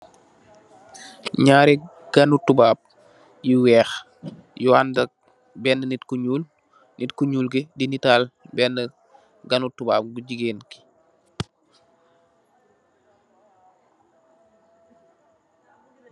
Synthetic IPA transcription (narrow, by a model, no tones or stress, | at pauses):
ɲaːɾi | ɡ̥ɐnutubaːp̚ | jiwɛːx | juandɐk̚ | bɛːnːənitkuɲuːl | nitkuɲuːlɡidinitaːlbɛnːə | ɡɐnutuba̰ːp̚ɡuɟiɡeːnki̥